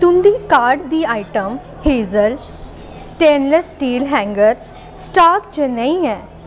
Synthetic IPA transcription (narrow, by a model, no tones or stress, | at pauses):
t̪ʊ̃nd̪iːkaːɾɖd̪iːaːiʈəm | heːzəl | sʈẽːnləsʈiːlɦɛ̃ːŋɡəɾ | sʈaːkt͡ʃənə̃ĩɛː